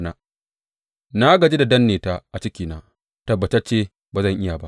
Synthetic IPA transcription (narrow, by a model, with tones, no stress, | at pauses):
na˦ | na˦ɡɐ˨d͡ʒe˦da˨dɐ˦nːeː˨taː˦ʔa˨t͡ʃɪ˦kʲiː˨naː˦ | tɐ˨bːɐ˨tɐ˦t͡ʃeː˦ | ba˨zɐ˦˨ŋʔɪ˦ja˨ba˦ʔ